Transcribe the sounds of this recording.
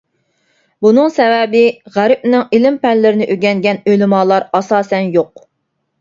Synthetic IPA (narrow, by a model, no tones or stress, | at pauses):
bunɨŋsɛvɛbɪʁæɾɪp̚nɪŋilɪmpɛnlɪɾɪnɪʔøɡʲɛŋɡʲɛnølɪmɑːlˠɑɾɑsɑːsɛnjoq̚